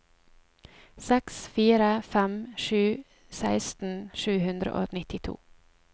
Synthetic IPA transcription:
sɛksfiːɾəfɛmʃʉː | sæɪst̪n̩ʃʉːhʉnd̪ɾə̰ʔo̰ːnɪt̪ɪt̪ʰṵː

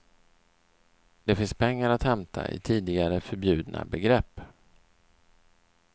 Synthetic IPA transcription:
d̪̥ɛfɪnspʰɛŋːaɾat̪hɛmt̪ʰa̰ʔɪ̰t̪ʰiːd̪ɪɡaɾəfœɾbjʉ̟ːd̪nʔa̰bɛɡɾɛpː

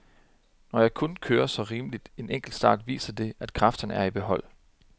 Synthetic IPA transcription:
nɒjɑ̈ɪkʰɔ̽nkʰøːɐsɒ̽ʁiːməlid̥e̝neŋ̰ɡ̥l̩d̥sd̥ɑ̰̈ːd̥ʋḭːsɐd̥e̝æd̥kʰʁɑfd̥ɐn̩æɐib̥e̝ɦɒ̽l̰

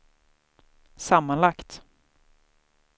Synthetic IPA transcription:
samːanlakt̪

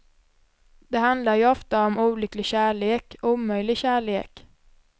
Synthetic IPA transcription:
d̪̥ɛɦand̪laɾjɵɔft̪aɔmuːlʏklɪɡɕæːɭeːkuːmœjlɪɡɕæːɭḛːk

